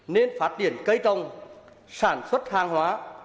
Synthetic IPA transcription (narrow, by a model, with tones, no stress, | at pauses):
ne˧nfaː˦˥t̚ɗi˧˩ənkə˧jt̪ə˧wŋ͡m | saː˧˩nswə˦˥t̚haː˧ŋɦwaː˨˦